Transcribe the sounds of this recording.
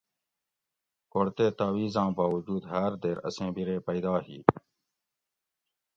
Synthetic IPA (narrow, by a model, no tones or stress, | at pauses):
koɽt̪eːt̪aːwiːzãːbaːwəd͡ʒuːd̪ɦəːɾd̪eːɾə̰sẽːbiɾeːpəjd̪aːɦḭː